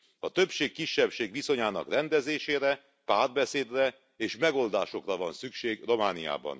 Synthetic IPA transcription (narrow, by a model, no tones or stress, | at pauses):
ɒt̪ø̞bʃeːkːiʃːɛpʃeːɡʋiso̞ɲaːnɒ̰krɛnd̪ɛzeːʃeːɾɛ | paːrbɛseːd̪rɛ | eːʃmɛɡo̞ld̪aːʃokrɒvɒnsykʃeːɡro̞maːnija̰ːbɒ̰n